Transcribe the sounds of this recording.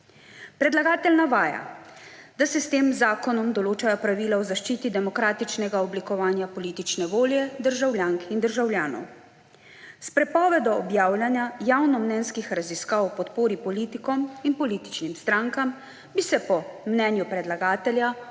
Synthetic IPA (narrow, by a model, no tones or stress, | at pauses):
pɾɛd̪laɡaːt̪ɛlnaʋaːja̰ | d̪asɛst̪eːmzaːkɔnɔmd̪ɔloːt͡ʃajɔpɾaʋiːlaɔzaʃt͡ʃiːt̪id̪ɛmɔkɾaːt̪it͡ʃnɛɡaɔblikɔʋaːnjapɔliːt̪it͡ʃnɛʋoːljɛd̪əɾʒawljaːŋkind̪əɾʒawljaːnɔ̰w | spɾɛpɔːʋɛd̪ɔɔbjaːwlʲjanjajawnɔmnɛnskixɾaziskaːwwpɔt̪poːɾipɔliːt̪ikɔminpɔliːt̪i̥t͡ʃnimst̪ɾaŋkam | bisɛpɔmnɛnjupɾɛd̪laɡaːt̪ɛlja